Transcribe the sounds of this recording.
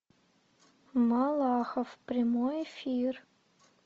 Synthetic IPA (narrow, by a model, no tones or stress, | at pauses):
mɑlˠɑxəfprʲamojefʲir